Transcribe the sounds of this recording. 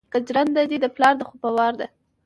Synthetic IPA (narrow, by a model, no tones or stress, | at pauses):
kad͡ʒɾand̪ad̪id̪əplɑɾd̪əxupawɑɾd̪a